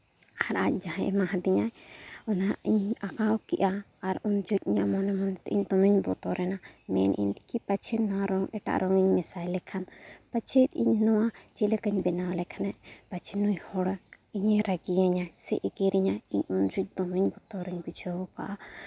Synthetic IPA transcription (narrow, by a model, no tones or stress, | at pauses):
aɾac̚d͡ʒaɦɛ̃ʔɛmaɦãd̪iɲajɔnaiɲakawkiʔaː | ɾund͡ʒuc̪̚iɲaʔmɔnɛmɔnɛt̪ɛʔiɲd̪ɔmiɲbɔt̪ɔɾɛnamɛ̰nʔḭɲkipat͡ʃʰɛnaɾɔŋʔɛʈa̰ʔɾɔŋiɲmɛsajlɛkʰanpat͡ʃʰet̪̚ḭɲnɔwat͡ʃiləkəɲbɛnawlɛkʰanaʔpat͡ʃʰɛnuɲhɔɽa | iɲɛɾaɡijaɲasɛ̰ʔɛɡɛɾiɲajiɲund͡ʒuc̚d̪ɔmiɲbɔt̪ɔɾɛɲbid͡ʒəwka̰ʔa